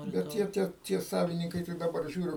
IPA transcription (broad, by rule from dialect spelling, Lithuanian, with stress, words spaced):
bʲɛt ˈtʲiɛ ˈtʲiɛ tʲiɛ ˈsɑːʋʲɪnʲɪŋkɐɪ tɐɪ dɐˈbɐr ˈʒʲuːrʲʊ